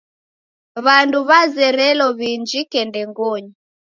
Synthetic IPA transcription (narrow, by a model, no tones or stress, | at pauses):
βanduβazɛɾɛlɔβiɲd͡ʒikɛndɛŋɡɔɲi